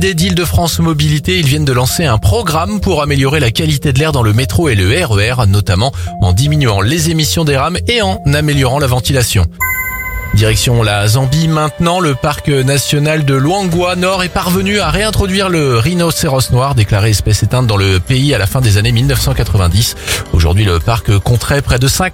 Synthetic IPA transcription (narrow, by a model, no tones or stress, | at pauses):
d̪ed̪ild̪əfχɑ̃smɔbilit̪eilvjɛnd̪əlɑ̃seɛ̃pχɔɡʁampuʁameljɔʁelakʲalit̪ed̪əlɛʁd̪ɑ̃ləmet̪χoeləɛʁøɛʁnɔt̪amɑ̃ɑ̰̃d̪iminyɑ̃lezemisjɔ̃d̪eʁameɑ̃nameljɔʁɑ̃lavɑ̃t̪ilasjɔ̰̃ | d̪iʁɛksjɔ̃lazɑ̃bimɛ̃t̪nɑ̃ləpaʁknasjɔnald̪əlwɑ̃ɡwanɔʁɛpaʁvənyaʁeɛ̃t̪χɔd̪ɥiʁləʁinoseʁɔsnwaʁd̪eklaʁeɛspɛset̪ɛ̃t̪̚d̪ɑ̃ləpeialafɛ̃d̪ezanemilnœfsɑ̃kat̪χəvɛ̃d̪iso̰ʒṵʁd̪ɥiləpaʁkkɔ̃t̪χɛpχɛd̪əsɛ̃k